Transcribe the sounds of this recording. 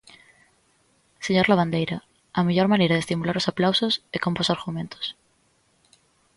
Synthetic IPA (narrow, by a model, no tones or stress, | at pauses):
seɲoɾlaβ̞and̪ejɾa | ameʝo̞ɾmãneɾaðest̪imulaɾosaplawsosekomposaɾɣumẽnt̪o̥s